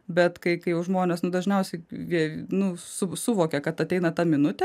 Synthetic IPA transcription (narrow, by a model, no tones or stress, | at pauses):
bʲɛt̪kɐɪkɐɪjɛʊʒmoːnʲeːsnʊd̪ɐʒʲnʲɛʊsʲɛɪʋʲiɛnʊsʊsʊʋoːkʲɛkɐt̪ɐt̪ʲɛɪnɐt̪ɑmʲɪnʊt̪ʲɛ